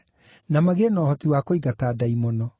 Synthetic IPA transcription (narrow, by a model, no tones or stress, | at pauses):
namaɣeːnɔːhɔtiwakoiɡataːdaimɔnɔ